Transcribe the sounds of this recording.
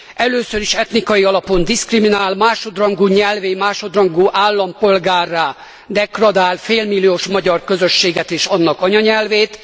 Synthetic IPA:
ʔɛløːsøɾiʃɛt̪nikɒjiɒlɒpo̞nd̪iskriminaːlmaːʃo̞d̪rɒŋɡuːɲɛlveːmaːʃo̞d̪rɒŋɡuːʔaːlːɒmpo̞lɡaːrːaː | d̪ɛkrɒd̪aːlfeːlmilːioːʃmɒɟɒrkø̞zøʃːeːɡɛt̪eːʃɒnːɒkɒɲɒɲɛlveːt̪

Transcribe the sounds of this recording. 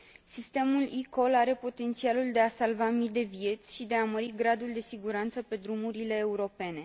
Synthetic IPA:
sist̪e̞muliko̞laɾe̞po̞t̪e̞nt̪sialuld̪e̞asalvamid̪e̞vie̞t̪sʲʃid̪e̞aməɾiɡɾad̪uld̪e̞siɡuɾant̪səpe̞d̪ɾumuɾile̞ːuɾo̞pe̞ne̞

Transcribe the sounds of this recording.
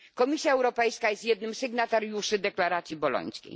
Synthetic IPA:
kɔmʲisʲjaɛwɾɔpɛjskajɛst̪jɛd̪nɘmsɛɡnat̪aɾjuʂɘd̪ɛklaɾat̪sʲjibɔlɔ̰ɲ̃skʲḛj

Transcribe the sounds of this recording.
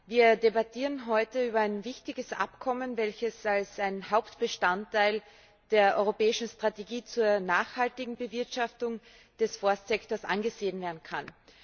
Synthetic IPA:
viːɐdebatʰiːʁənɦɔʏtəyːbɐaɪnvɪçtɪɡəsʔa̰pkʰɔmənvɛlçəsalsaɪnhaʊptb̥əʃtantːaɪl | d̥eːɐʔɔʏʁopɛːɪʃn̩stʁ̥ateɡiːt͡suːɐnaːχhaltɪɡŋ̩bəvɪɐtʃaftʊŋ | d̥ɛsfɔɐstz̥ɛktoːɐsʔa̰nɡəzeːənveːɐdn̩kʰan

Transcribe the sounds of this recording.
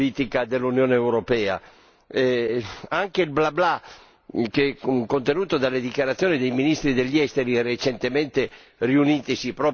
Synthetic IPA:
iːt̪ikad̪elːunjɔːneːwɾopɛːa̰ | ɛaŋkeilblabla | kekont̪enuːt̪od̪alːed̪ikjaɾat̪sjoːnid̪ejminist̪ɾid̪eʎːɛst̪eɾiɛret͡ʃent̪ement̪e | riuniːt̪isipɾɔ

